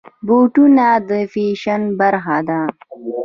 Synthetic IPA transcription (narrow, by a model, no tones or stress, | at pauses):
boʈunad̪əfiʃanbaɾxad̪a